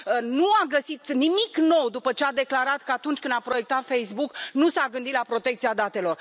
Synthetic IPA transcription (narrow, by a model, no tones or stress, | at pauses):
ənuaɡəsit̪nimikno̞wd̪upət͡ʃead̪e̞klaɾat̪kəat̪unt͡ʃʲkɨnd̪apɾo̞je̞k̚t̪at̪fejsbuknusaɡɨnd̪it̪lapɾo̞t̪e̞k̚t̪siad̪at̪e̞lo̞r